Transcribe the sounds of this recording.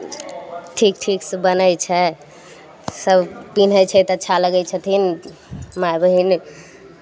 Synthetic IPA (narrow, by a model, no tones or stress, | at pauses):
ʈʰik̚ʈʰiksbənəjt͡ʃʰɛ | səbʱpin̤əjt͡ʃʰɛt̪ɔətːʰaləɡɛt͡ʃʰət̪ʰin | majbəɦin